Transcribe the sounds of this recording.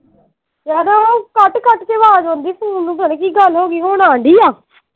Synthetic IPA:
d͡ʒaːd̪ãːoːkəʈkəʈkeːʋaːd͡ʒõːnd̪iːsəːnũːpənẽːkiɡəlɦoːɡiːɦoːnãːɳɖiːaː

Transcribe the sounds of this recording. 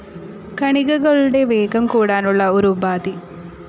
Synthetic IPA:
kɐɳiɡɐɡɐɭuɽeʋeːɡɐmkuːɽaːnuɭːɐuɾubaːd̪i

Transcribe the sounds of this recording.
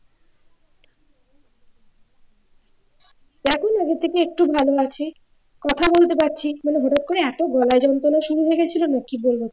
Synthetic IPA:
ɛkʰunaɡet̪ʰːekeek̚ʈubʱaloat͡ɕʰe | kɔt̪ʰabolt̪epaɾːɕʰimaneɦoʈat̪̚koɽeɛt̪oɡɔlaed͡ʑɔnt̪olaʃuɾuɦoeɡet͡ɕʰilonakibolbot̪

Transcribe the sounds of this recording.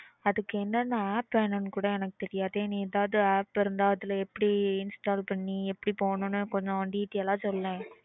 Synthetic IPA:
ɐðɯkːɯɛnːɐnɐaːpːenːɐnkuːɽɐɛnɐkːɯ̥t̪ɛɾɪjaːɐðenĩɛðaːʋɯðɯaːpɪɾɯnd̪aːɐðɪlɐɛpːɐɽiɪnsʈaːlpɐɳːiɛpːɐɽipoːnʊ̃nːɯkɔɲd͡ʒɔ̃ɖiːt̪ːɪjɐlãːsɔlːlẽː

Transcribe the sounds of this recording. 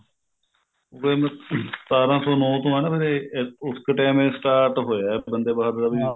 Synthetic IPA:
okem̃t̪aːɾãːsɔːnɔːt̪õːɦɛːnapeɾeʊskːʈɛːmẽːsʈaːɾʈɦoːjaːɛbənd̪eːbaːd̪dabiãː

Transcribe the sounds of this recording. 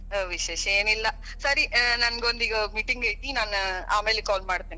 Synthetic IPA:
ʋɪʃeːʂeːnɪlːɐ | sɐɾinɐnɡɐʋɐnd̪iɡɐmiːʈːɪŋɡɐjt̪ːinaːnaːmeːlkoːlmaːɽɯt̪ːeːn

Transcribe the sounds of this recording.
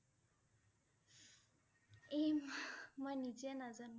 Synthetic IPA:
emmanid͡ʒianazan

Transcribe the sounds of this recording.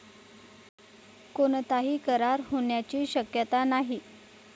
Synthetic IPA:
koɳt̪aɦiːkəɾaɾɦoɳjat͡ɕiːɕəkjət̪anaɦi

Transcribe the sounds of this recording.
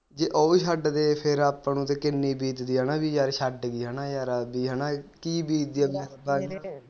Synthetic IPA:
d͡ʒeːʔəuʃəɖd̪eːpʰɪɾaːpːnũːt̪eːkɪnːiːbiːt̪d̪iːɦənaːbiːjaːɾʃəɖɡiːɦənãːjaːɾabiːɦənaːkiːbiːt̪̚d̪iːaːbibaː

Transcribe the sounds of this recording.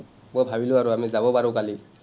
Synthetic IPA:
mojbʱabilʊaɹuamizabɔpaɹʊkali

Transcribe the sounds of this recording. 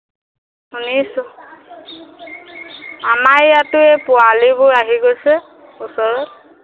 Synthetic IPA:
hunisʊ | amajatʊɛpʊalibʊjaɦiɡojsɛ | usɔɹɔt̚

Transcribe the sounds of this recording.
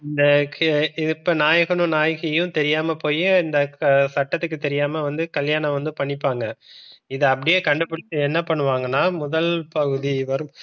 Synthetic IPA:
ɪnd̪ɐɪpːɐnaːjɐɣɐnɯ̃naːjɐɣɐjʊ̃t̪ɛɾɪjaːmɐpoːjɪnd̪ɐsɐʈːɐt̪ːɯk̬ːɯt̪ɛɾɪjaːmɐʋɐnd̪ɯkɐljaːɳɐ̃ʋɐnd̪ɯpɐɳːɪpːaːŋɡɐɪðɯɐpːɐɽɪjeːkɐɳɖɯpːɯɽɪt̪ːɯɛnːɐpɐɳːɯʋaːŋɡɐnːaːmʊðɐlpɐɣɯðiʋɐɾɯm

